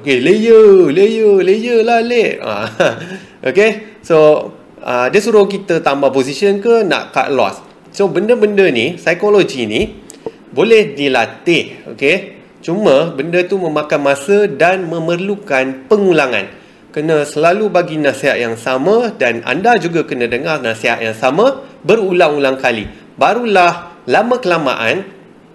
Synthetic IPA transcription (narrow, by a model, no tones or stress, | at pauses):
okeləjələjələjəlaleʔə̰ | ʔokeso | ə̰diəsuɾʊhkit̪ət̪ambapos̬isənkəna̰ʔka̰ʔlɔ̰s | sobəndəbəndənisajkolod͡ʒini | bolɛhdilat̪ɪho̰ke | t͡ʃumə̃bəndət̪umə̃mãkanmãsədanmə̃mərlukanpəŋulaŋã̰n | kənə̃səlalubaɡinãseɦat̪̚jaŋsamãdana̰ndad͡ʒuɡakənə̃dəŋarnaseɦa̰t̪̚jaŋsamãbərulaŋulaŋkalḭ | baɾulahlamə̃kəlama̰ʔa̰n